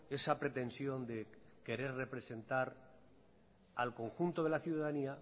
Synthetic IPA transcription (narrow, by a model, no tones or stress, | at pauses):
e̞sapɾe̞t̪e̞nsjo̞nd̪e̞ke̞ɾe̞ɾre̞pɾe̞se̞nt̪aɾ | a̰lko̞ŋxunt̪o̞ð̞elaθjuðaðania